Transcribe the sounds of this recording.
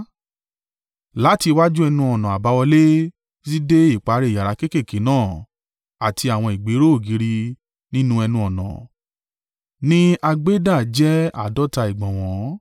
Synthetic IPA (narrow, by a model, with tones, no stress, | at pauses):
la˨˦ti˧wa˦d͡ʒu˦ɛ˧nũ˧ɔ˨nã˨a˨ba˧˦wɔ˧le˦ | zi˦de˦i˦˨k͡pa˨˦˧ɾe˧˨ja˨ɾa˨˦ke˦ke˦˨ke˨˦nãː˦˨ | a˨tʰi˧a˨w̃ɔ̃˧i˨ɡ͡be˨˦ɾo˦˨ɡi˨˧˦ɾi˧ | nĩ˦nũ˦ɛ˧nũ˧ɔ˨nã̰˨ | nĩ˦a˧ɡ͡be˦da˦˨d͡ʒɛ˦a̰˦˨dɔ˦ta˧i˨ɡ͡bɔ̃˨w̃ɔ̃˨˦